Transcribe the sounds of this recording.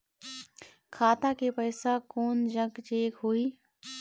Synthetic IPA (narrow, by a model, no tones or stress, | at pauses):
kʰaːt̪akepəɪsakoːnd͡ʒəɡd͡ʒeːkɦuiː